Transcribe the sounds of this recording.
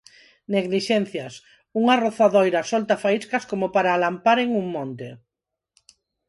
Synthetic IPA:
neɣliʃɛnθjas | uŋaroθaðojɾasɔlt̪afaiskaskomopaɾaːlampaɾeŋuŋmõnt̪e

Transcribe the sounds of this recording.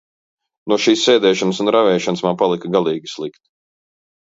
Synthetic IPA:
nuɔʃiːsːɛːd̪ɛːʃɔnəsunɾavɛːʃɔnəsmampalˠikɐɡalˠiːɡʲislˠikt̪

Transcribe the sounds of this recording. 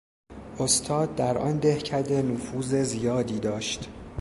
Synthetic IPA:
ʔost̪ʰɒːd̪̚ːæɾʔɒ̰nd̪e̞hcʰæd̪enofuːze̞zijɒːd̪iːd̪ɒːʃt̪

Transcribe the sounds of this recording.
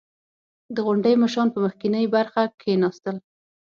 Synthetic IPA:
d̪əɣʊɳɖəjmaʃ̬ɑnpəməxkinəjbaɾxakʰenɑst̪əl

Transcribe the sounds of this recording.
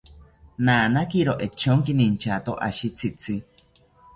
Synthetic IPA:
naːnakiɾoʔet͡ʃoŋkinint͡ʃat̪oʔa̰ʃit͡sʰit͡sʰi

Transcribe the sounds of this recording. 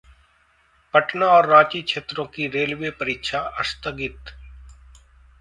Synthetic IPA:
pɐʈnaɔːɾːaːt͡ʃikʃʰeːt̪ɾõkiɾeːlʋepəɾɪkʃʰaɐ̰st̪əɡɪt̪

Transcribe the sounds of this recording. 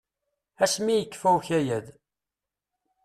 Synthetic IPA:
æʃmijəkːfæwçæjæð

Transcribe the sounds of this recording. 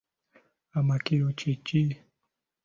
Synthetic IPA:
amakiut͡ʃit͡ʃi

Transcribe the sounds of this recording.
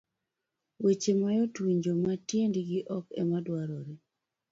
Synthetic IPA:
wet͡ʃemajotwiɲd͡ʒomatjendiɡɪʔɔkɛ̰madwaɾoɾe

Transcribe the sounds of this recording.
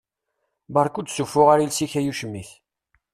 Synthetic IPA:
bɑɾˤkud̪sufːʊʁaɾilsiçæjuʃəmːiθ

